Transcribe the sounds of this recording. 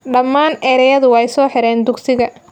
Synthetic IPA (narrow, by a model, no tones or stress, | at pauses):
ɖɐmːaːnʔɛːɾɛjɐðʊwɛjsɔːħɪɾɛːnd̪ʊɡsɪɣɐ